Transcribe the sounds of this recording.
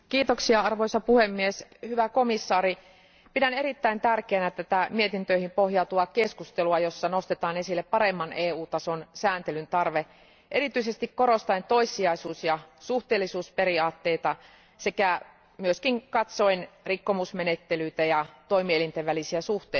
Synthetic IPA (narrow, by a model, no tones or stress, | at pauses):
kiːt̪oksiɑɑrʋoisɑpuhemːieshyʋækomisːɑːri | pidæneɾit̪ːæint̪ærkeːnæt̪æt̪æmiet̪int̪øihimpohjɑt̪uɑkeskust̪eluɑjosːɑnost̪et̪ɑːnesilːeppɑɾemːɑneːuːt̪ɑsonsæːnt̪elynt̪ɑrʋe | ʔerit̪yisest̪ikkoɾost̪ɑint̪oisːiɑisuːsjɑsuht̪eːlːisuːsperiɑːt̪ːeit̪ɑ | sekæ | myøskiŋkɑt̪soinrikːomusmenet̪ːelyit̪æjɑt̪oimielint̪eʋʋælisiæsuht̪e